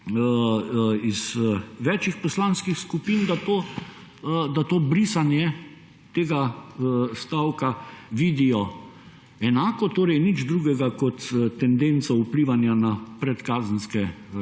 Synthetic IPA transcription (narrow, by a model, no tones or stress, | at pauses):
izʋɛːt͡ʃixpɔslanskixskupiːnd̪at̪oː | d̪at̪oːbɾiːsanjɛ | t̪eːɡa | st̪awkaʋiːd̪ijɔ | ɛnaːkɔt̪oːɾɛjnid͡ʒd̪ɾuːɡɛɡakɔt̪t̪ːɛnd̪ent̪sɔupliʋanjanapɾɛt̪kaːzən̩skɛ